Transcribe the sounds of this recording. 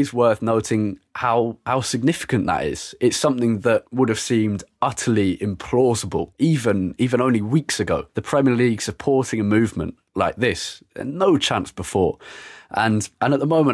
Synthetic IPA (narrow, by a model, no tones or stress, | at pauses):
ɪzwɜˑ˞θnoʊtɪ̃ŋhaʊhaʊsɪɡ̚nɪfɪ̥kɨ̃nðə̰tɪ̰z̥ɪtsʌ̃mθɪ̃ŋðəʔ̚wʊɾɨv̥sĩːmdʌtʰəliɪ̃mpʰl̥ɔzəbə̰lˠivə̃niːvə̃ñõʊ̃nliwiˑksɨɡoʊðəpʰɹ̥ɛmiəliɡ̥səpʰɔɹtɪ̃ŋəmʉvmə̰̃nʔ | laɪk̚ðɪsə̰noʊt͡ʃʰæ̃nsb̥ɪfɔːɹʔə̃nʔə̃nəʔ̪̚ðəmõʊ̃mə̃n